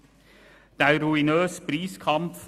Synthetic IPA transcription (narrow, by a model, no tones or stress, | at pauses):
d̪̥æɪɾuɪnøːsbɾiːskʰɑmpf